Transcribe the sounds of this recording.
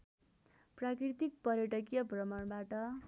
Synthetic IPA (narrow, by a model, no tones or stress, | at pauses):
prakrit̪ik̚pʌɾjʌʈʌk̬jʌbʱrʌmʌɳbaʈʌ